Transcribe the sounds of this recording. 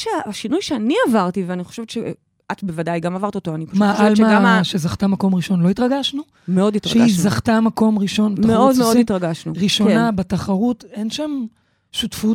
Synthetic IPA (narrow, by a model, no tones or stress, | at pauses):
ʃeaʃinujʃeaniavaʁt̪iveaniχoʃevett͡ʃe | ʔat̪bevadajɡamavaʁtiotoanipaʃmalmaaʃe̞zaχt̪amako̞mʁiʃo̞nlo̞itʁaɡaʃnu | meo̞ditʁaʃeizaχtamako̞mʁiʃo̞nbetameod̪meoditʁaɡaʃnuʁiʃo̞nnabetaχaʁute̞nʃam | ʃutfu